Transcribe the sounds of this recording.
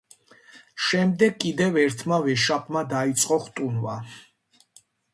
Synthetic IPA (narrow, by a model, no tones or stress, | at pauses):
ʃɛmd̪ɛɡ̚kʼːid̪ɛvɛɾt̪ʰmavɛʃapʰʼmad̪ait̪sʼqʼɔχt̪ʼunva̰